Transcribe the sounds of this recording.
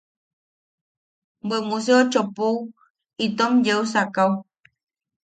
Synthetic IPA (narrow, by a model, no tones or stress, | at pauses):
bəmus̬eot͡ʃopow | it̪omjeusakaw